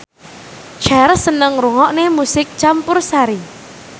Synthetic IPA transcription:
t͡ʃa̤ɾəsənəŋruŋɔʔnemusɪk̚t͡ʃampʊrsaɾi

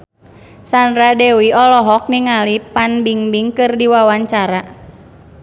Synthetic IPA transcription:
sandɾadɛwiɔlɔɦɔk̚niŋalipanbiŋbiŋkɨrdiwawaɲt͡ʃaɾa

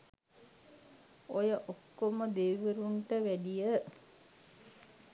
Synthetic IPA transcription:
ojəʔokːoməd̪eʋəɾuɳʈəʋæɖijə

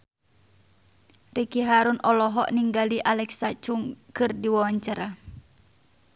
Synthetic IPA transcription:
rikiɦaɾunʔɔlɔɦɔʔniŋɡaliʔalɛksat͡ʃuŋkɨrdiwawaɲt͡ʃaɾa

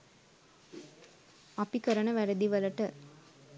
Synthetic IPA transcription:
ɐpikɐɾɐɳɐʋæɾɐd̪iʋɐlɐʈə

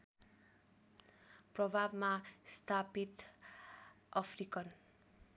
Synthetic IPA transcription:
prʌbʱabmast̪ʰapit̪ | ʌpʰrikʌn

